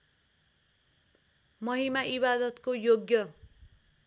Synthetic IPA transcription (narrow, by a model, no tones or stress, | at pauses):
mʌɦimaʔibad̪ʌt̪kojoɡjʌ